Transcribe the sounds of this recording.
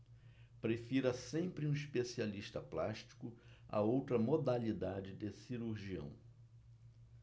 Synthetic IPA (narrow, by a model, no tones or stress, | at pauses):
pɾefiɾɐsẽmpɾɪũiʃpesialiʃt̪ɐplaʃt͡ʃi̥kʊɐ̰owt̪ɾɐmod̪alid̪ad͡ʒɪd̪esiɾuɾʒiɐ̰̃w̃